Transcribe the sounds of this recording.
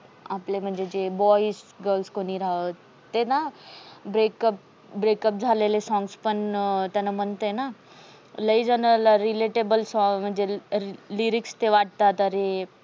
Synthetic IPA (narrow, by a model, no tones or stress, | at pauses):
aplem̤əɳd͡zed͡ʑebɔisɡəlskoniɾaə | t̪enabɾekəp̚ | bɾeːkəp̚d͡zʱalelesɔ̃ŋɡspəɳt̪anamənt̪əena | ləid͡zənəlaɾileʈebəlsɔ̃m̤əɳd͡zeliɾikst̪eʋaʈ̚t̪at̪əɾe